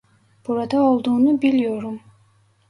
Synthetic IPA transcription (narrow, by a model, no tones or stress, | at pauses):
b̥uɾad̪ɑolˠd̪unubilʲjoɾum